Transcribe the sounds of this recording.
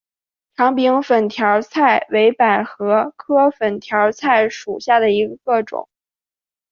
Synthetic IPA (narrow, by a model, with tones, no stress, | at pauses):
ʈ͡ʂʰɑ˧˥ŋpi˧˥ŋfə˨˩nt̪ʰjɑ˧˥ʊt͡sʰa˥˩ɪwe˧˥ɪpa˨˩ɪxɤ˧˥kʰɤ˥fə˨˩nt̪ʰjɑ˧˥t͡sʰa˥˩ɪʂu˨˩ɕja˥˩d̪ə˩i˧˥ɡə˧kɤ˥˩ʈ͡ʂʊ̰˨˩˦ŋ